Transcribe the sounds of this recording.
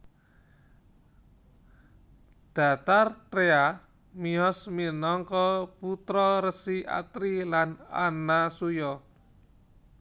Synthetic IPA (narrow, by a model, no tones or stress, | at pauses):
d̪̥a̤t̪art̪ɾea | miɔsminɔŋkɔput̪ɾɔɾəsia̰t̪ɾilana̰nasujɔ